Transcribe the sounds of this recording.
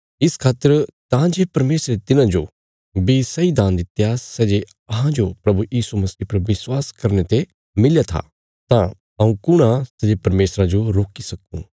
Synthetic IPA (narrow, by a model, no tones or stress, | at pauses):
ɪskʰaːt̪ːəɾt̪ãd͡ʒeːpɐɾmeːsɾet̪ɪnãd͡ʒo | bisɐid̪ãːnd̪ɪt̪jasɛːd͡ʒe | ɐɦãd͡ʒopɾɐbujiːsumɐsiːpɐɾʋɪswaːskɐɾnet̪e | mɪljat̪ʰa̰ | t̪ã | ɐũkʊɽ̃ãsɛd͡ʒepɐɾmeːsɾad͡ʒoɾoːkisɐkṵ̃ː